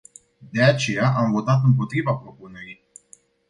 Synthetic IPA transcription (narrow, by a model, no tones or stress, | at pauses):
d̪e̞at͡ʃe̞jaʔamvo̞t̪at̪̬ɨmp̬o̞t̪ɾivapɾo̞pune̞ɾij